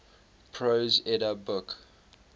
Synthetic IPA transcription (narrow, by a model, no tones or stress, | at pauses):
pʰɹozɛɾabʊk